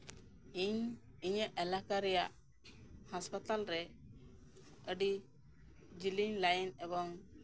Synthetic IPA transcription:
iɲ | iɲəʔɛlakaɾɛjaʔ | haspat̪alɾɛ | əɖi | d͡ʒiliɲlajinɛbɔŋ

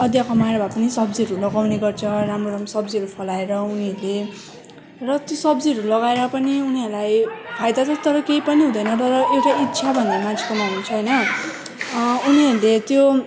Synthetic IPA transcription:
ʌd̪jakʌmaɾʌbʱapʌnisʌbd͡ziɦʌɾulʌɡawneɡʌrt͡sʰʌramroɾamʌsʌbd͡ziɦʌɾupʰʌlaeɾʌuniɦʌɾule | rʌt̪josʌbd͡ziɦʌɾulʌɡaeɾʌpʌniuniɦʌɾulajpʰajd̪at͡sʰʌt̪ʌɾʌkeipʌniɦũd̪ʌjnʌt̪ʌɾʌʔewʈaitːsʰabʱʌnd̪amant͡sʰe̥kʌmaununt͡sʰʌɦʌjnʌ | uniʌɾulet̪jo

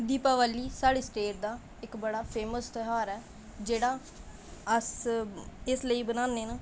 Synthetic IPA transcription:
d̪iːpaːʋaːlːiːsaːɽiːsʈeːʈ̚d̪aː | ɪkbəɽaːpʰeːməst̪əɦaːɾɛː | d͡ʒeːɽaː | əs | ɪsləiːbənãːnd̪eːnãː

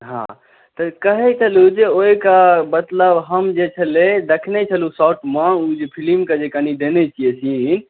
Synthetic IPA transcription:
ɦã̰ | t̪əkəɦɛt͡ʃʰəlud͡ʒeoikabət̪ləbɦəmd͡ʒet͡ʃʰəled̪ekʰnɛt͡ʃʰəlusaʈmãud͡ʒepʰilimkad͡ʒekanid̪enɛt͡ʃʰijesin

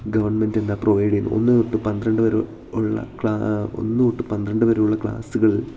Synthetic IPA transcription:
ɡɐʋɐrɳmendenːaproʋɐjɽiino̞̰nːɨuʈːɨpɐnd̪ɾɐɳɖɨʋɐɾu | uɭːɐ̰kɭao̰nːɨuʈːɨpɐnd̪ɾɐɳɖɨʋɐɾuɭːɐkɭa̰ːsuɣɐɭ

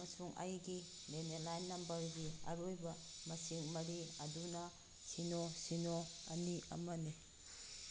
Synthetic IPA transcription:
ɐmɐsuŋʔɐ̰jɡi | lenelajnːɐmbɐɾɡiɐ̰ɾojbɐmɐsiŋmɐɾiɐdunɐ | sinosinoɐniɐ̰mɐni

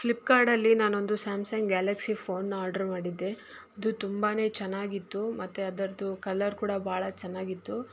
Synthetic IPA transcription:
plipkaːɾɖɐlːinaːno̞nd̪usaːmsɐŋɡɡaːlɐksipʰo̞ːnːaːɾɖɐɾmaːɽid̪ːe̞ | ɐd̪ut̪umbaːne̞ːt͡ʃɛnːaːɡit̪ːumɐt̪ːeɐd̪ɐɾɐd̪ukɐlːɐɾkuːɽɐbʱaːɭɐt͡ʃɛnːaːɡit̪ːu

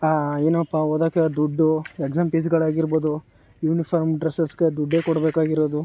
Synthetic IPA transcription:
aeːnuɐpːaoːd̪aːked̪uɖːuekzaːmpiːs̬ɡɐɭaːɡiɾboːd̪u | juːnipʰɐɾmɖɾesɐsɡed̪uɖːeːkɔɽbeːkaːɡiɾoːd̪u

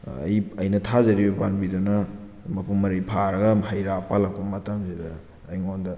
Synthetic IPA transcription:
ɐ̰jɐjnɐtʰazɐɾibɐpanbidunɐ | mɐpʰuŋːɐɾijpʰaɾɐɡɐmɦajɾapalɐkumːɐtɐmsidɐː | jŋondɐ

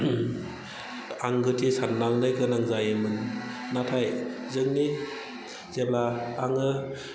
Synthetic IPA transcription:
aŋɡɯtisanːalnɯjkɯnaŋzajɯmɯnː | atʰaj | zɯŋni | zeblaaŋɡɯ

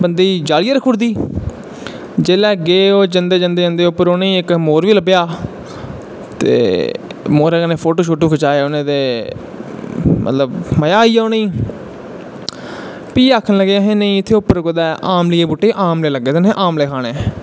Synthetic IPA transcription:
bənd̪iːd͡ʒaːlɪjaːɾəkʰʊɽd̪iː | d͡ʒeːlɛːɡeːoːd͡ʒənd̪eːd͡ʒənd̪eːd͡ʒənd̪eːʊpːəɾoːneːɪkmoːɾʋiːləbjaː | t̪ḛːmoːɾɛːkːneːpʰoːʈoːʃoːʈoːkʰət͡ʃaːeːʊnẽːd̪eː | mʔə̰t̪ləbməjaːiːaːneiː | piːaːkʰːənləɡjaːɦẽːneĩːɪt̪ʰːeːʊpːəɾkod̪ɛːʔaːmlɪeːbuʈːeːʔaːmleːləɡːeːt̪ɪnẽːʔaːmleːkʰaːɽ̃eː

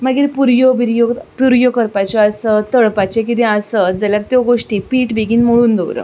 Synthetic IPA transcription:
məɡiːɾpuɾjobiɾjopuɾjokəɾpat͡ɕɔəsət̪əɭpat͡ɕek̬it̪ẽəsəd͡zəljaɾt̪joɡoʂʈiːpiːʈbʱiɡiːnmoɭuːnd̪owɾə̰

